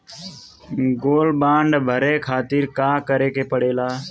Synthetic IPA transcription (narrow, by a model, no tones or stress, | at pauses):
ɡoːlbãːɳɖbʱəɾeːkʰaːt̪ɪɾkaːkəɾeːkeːpəɽeːlaː